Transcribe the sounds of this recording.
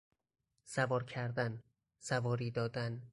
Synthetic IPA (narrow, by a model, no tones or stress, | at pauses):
sævɒːɾcʰæɾd̪æn | sævɒːɾiːd̪ɒːd̪æn